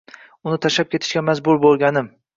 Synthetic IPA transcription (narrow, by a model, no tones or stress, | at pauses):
ʊnɪt̪ʰaʃap̚kʲʰe̞t̪ʰɪ̥ʃkʲamazbʊɾbolˠɡʲanɪm